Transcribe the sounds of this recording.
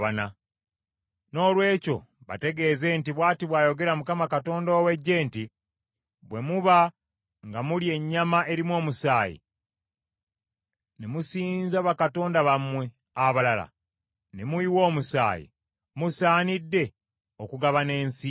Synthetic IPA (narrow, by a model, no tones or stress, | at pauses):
βana | no̞ːlwe̞ːco̞̰ | βa̰te̞ɡe̞ːze̞ntiβwaːtiβwaːjo̞ɡe̞ɾamukamakato̞ːndoːwe̞ɟːe̞ːnti | βwe̞muβa | ŋɡamulie̞ɲːamaʔe̞ɾimwo̞ːmusaːjḭ | nemusiːnzaβakato̞ːndaβamwe̞ | aβalala̰ | nemuiwo̞ːmusa̰ːjḭ | musaːnidːe̞ | okuɡaβane̞ːnsi